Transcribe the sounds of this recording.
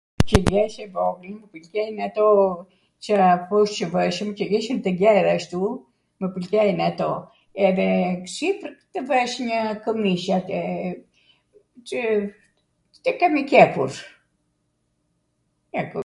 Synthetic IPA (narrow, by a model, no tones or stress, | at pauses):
t͡ʃəlɛʃɛvɔɡlinməpəlkɛjnat̪ɔ | t͡ʃapɔʃt͡ʃəvəʃəmt͡ʃəɡɛʃəmt̪əɡɛɾaʃt̪u | məpəlkɛjnat̪ɔ | ɛðɛksipɾt̪əvɛʃɲəkəmniʃat̪ɛ | t͡ʃə | t̪ɛkɛmikɛpuɾ | ak